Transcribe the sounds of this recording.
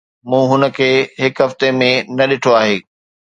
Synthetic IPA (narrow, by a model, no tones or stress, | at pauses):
mũːɦʊnə̆kʰeːɦɪkɦɐft̪emẽnɐɗɪʈʰoaːɦeː